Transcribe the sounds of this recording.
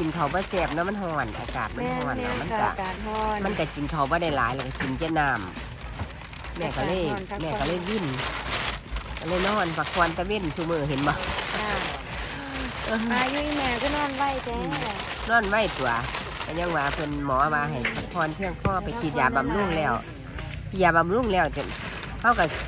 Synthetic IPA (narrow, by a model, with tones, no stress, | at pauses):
t͡ɕi˨nkʰa˨˩wbɔː˧˨sɛː˧˩p̚nɔ˧˦ma˧˥˨nhɔː˧˩nʔa̰ː˧˩kaː˨˩t̪̚ma˧˥˧hɔː˧˩naː˧˨ma˧˥˨nka̰˧˩˧ma˧˥˨nka˧˩t͡ɕi˨nkʰa˨˩wbɔː˧˦da˧˩jlaː˨˦jlɛː˧˩ka˧ki˨˩nt͡ɕɛ˧˦naː˧˩m | mɛː˧˩ka˧lɤː˧˥˨jmɛː˧˩ka˧˩lɤː˧˥˨jwi˧˥˨n | ka˧lɤː˧˥˨jnɔː˧˥˨npʰa˧k̚ʰɔː˧˨nt̪a˧we˧˥˨nsuː˧˨mɯː˧˩ɦe˨˦nbɔː˧˦ | ʔɤː˧˨˧juː˧i˧˨mɛː˧˩kɔ˧˦nɔː˧˥˩nwa˧˩˨jt̪ɛː˧˩ | nɔː˧˥˨nwa˧˥˨jt̪u˨ɐ | t̪ɛ˧˩ɲa˧˥˨ŋwaː˧˩pʰɤ˧˨nmɔː˨˦˧waː˧ɦa˨˩jpʰa˧kʰɔː˧˨npʰɯ˧˩əŋpʰɔː˧˥˨pa˨jkʰi˧˦t̪̚jaː˨˩ba˧˨mlu˧˥˨ŋlɛː˧˩w | t̪ʰi˧˩jaː˨˩ba˧˨mlu˧˥˨ŋlɛː˧˩wt̪e˧˨ | ha˧˩wka˧˩